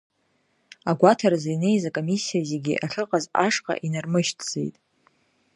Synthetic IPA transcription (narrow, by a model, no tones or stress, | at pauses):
aɡʷatʰaɾazajne̞jzakʼo̞misːijazeɡʲiʔaɬɨqʼazaʂqʼa̰ʔinarmɨʃtʰʼd͡zḛjtʼ